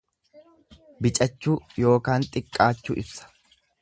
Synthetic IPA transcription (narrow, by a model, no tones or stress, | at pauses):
bɪt͡ʃʼɐt͡ʃːuːjo̞ːkaːnt̪ʼɪkʼːaːt͡ʃːṵːʔɪbsɐ̥